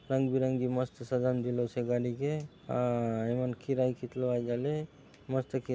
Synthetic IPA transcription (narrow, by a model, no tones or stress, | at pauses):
ɾəŋɡbiɾəŋɡiməst̪əsəd͡ʒamd̪iloseɡaɽike | aemənkiɾajkit̪loajd͡ʒale | məst̪əki